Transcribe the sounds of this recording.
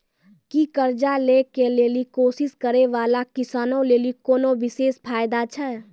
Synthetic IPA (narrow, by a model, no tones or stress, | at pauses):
kikəɾd͡ʒaleːkeleːlikoːsɪskəɾeʋaːlakɪsaːnõleːlikoːnoʋɪseːspʰaːjd̪at͡ʃʰɛ